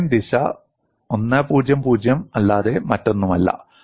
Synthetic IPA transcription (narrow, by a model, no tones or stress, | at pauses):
nd̪iɕɐ̰ | onːapuːd͡ʑjɐmpuːd͡ʑjɐmɐlːaːðe̞mɐtːo̞nːumɐlːɐ̰